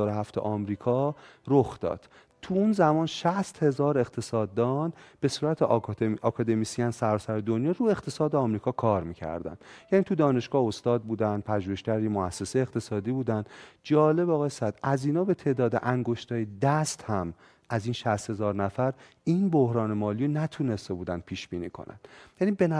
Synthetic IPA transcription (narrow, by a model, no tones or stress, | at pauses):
ɒːɾoɦæft̪ʰḛʔɒːmɾiːkʰɒːɾoxd̪̥ɒ̰ːd̪̥ | t̪ʰuunzæmɒːnʃæst̪he̞zɒːɾe̞qt̪ʰe̞sɒːd̪ːɒnb̥e̞suːɾæt̪ʰeɒkʰɒːd̪e̞misiænsæɾɒːsæɾed̪onjɒːɾue̞χt̪ʰe̞sɒːd̪eɒmɾiːkʰɒːkʰɒːɾmiːcʰæ̰ɾd̪æ̰nd̪̥jæːniːt̪ʰud̪ɒːne̞ʃɡ̥ɒːost̪ɒːd̪̚buːd̪ænd̪̚pʰæʒuːheʃcæɾjemoæsːe̞sejeqt̪ʰe̞sɒːd̪iːbuːd̪ænd̪d͡ʒɒːle̞bɒːɣɒːjesæd̪̥æziːnɒːbe̞t̪ʰe̞ːd̪ɒːd̪eʔæŋɡo̞ʃt̪ʰɒːjed̪æst̪hæm | ʔæziːnʃæst̪he̞zɒːɾnæfæɾ | iːnbohɾɒːnemɒːlijonæt̪ʰune̞st̪ebuːd̪ænd̪̚pʰiːʃbiːniːkʰo̰næ̰nd̪̥jæniben